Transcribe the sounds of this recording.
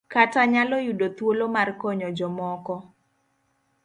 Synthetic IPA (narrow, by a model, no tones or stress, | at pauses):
kataɲalɔjudot̪wolomarkoɲɔd͡ʒɔmɔkɔ